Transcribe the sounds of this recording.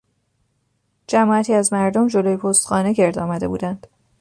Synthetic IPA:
d͡ʒæmɒːæt̪ʰiːæzmæɾd̪omd͡ʒo̞loːjepʰost̪xɒːne̞ce̞ɾd̪ɒːmæd̪e̞bṵːd̪ænd̪̥

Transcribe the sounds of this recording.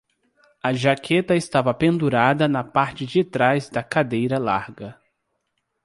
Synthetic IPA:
ɐʒakʰet̪ɐɪst̪avɐpẽnd̪uɾad̪ɐnɐpaɾt͡ʃɪd͡ʒɪt̪ɾazd̪ɐkad̪ejɾɐla̰ɾɡɐ

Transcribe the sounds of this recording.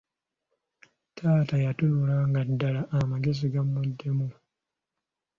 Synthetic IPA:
tʰaːtajatuluɾaŋɡadːalaʔamaɡes̬iɡamːodːemu

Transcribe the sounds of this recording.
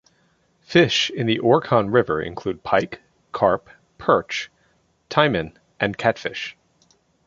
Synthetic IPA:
fɪʃɨ̃nðiʔɔɹkʰɑ̃nɹɪvə˞ʔɨ̰̃nkʰl̥ʉd̚pʰaɪkʰː | ɑɹp | pʰɜ˞t͡ʃ | tʰãɪ̃mɨ̃n | ʔɨ̃nkʰætfɪʃ

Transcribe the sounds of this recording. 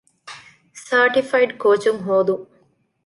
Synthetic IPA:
saːɾʈifɐjɖkoːt͡ʃumɦoːd̪u

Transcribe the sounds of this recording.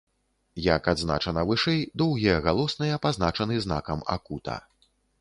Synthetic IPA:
jakad̪zna̰t͡ʂɐnɐvɨʂɛjd̪ɔwɣʲijɐɣalˠɔsnɐjɐpaznat͡ʂɐnɨzna̰kɐma̰kut̪ɐ̰

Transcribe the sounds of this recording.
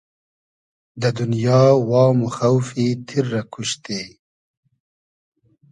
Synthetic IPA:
d̪əd̪ʊnjɑːwɑːmuxawfit̪ʰiɾːakʰuʃt̪e

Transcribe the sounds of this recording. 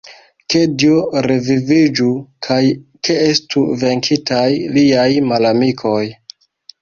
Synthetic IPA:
ke̞dioɾevivid͡ʒukʰajkeestuve̞ŋkʰitajliajmalamikʰo̞j

